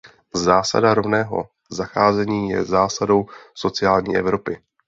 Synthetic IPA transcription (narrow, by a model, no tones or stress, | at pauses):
zaːsa̰daɾo̞vnɛːɦo̞̰ | zaxaːzɛɲiːjɛ̰zaːsado̞wso̞t͡sɪaːlɲḭːʔɛ̰vɾo̞pɪ